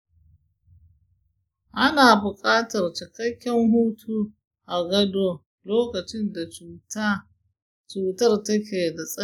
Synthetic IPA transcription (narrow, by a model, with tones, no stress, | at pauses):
ʔa˦naː˨bʊ˨kʼaː˦tɐ˨rt͡ʃɪ˨kɐ˦kʲːɛ˦ŋɦuː˦tʰuː˦ | ʔa˨ɡɐ˦doː˦ | loː˦kɐ˨t͡ʃɪ˦nda˨t͡ʃuː˨ta˦ | t͡ʃuː˨tɐ˦rtɐ˦kʲeː˨da˨sʼɐ˦